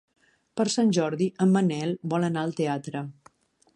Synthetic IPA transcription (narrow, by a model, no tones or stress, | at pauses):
pəɾsanʲʒɔɾðiʔəmːənɛlˠbɔlənaəlˠt̪eat̪ɾə